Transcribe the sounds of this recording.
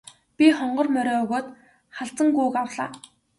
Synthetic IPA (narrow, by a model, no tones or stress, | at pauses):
pʲiχɔɴɢɞ̆rmœɾʲɔːɵɣoːt̪ | χaɬt͡sə̆ŋɡʊːkawɮa̰ː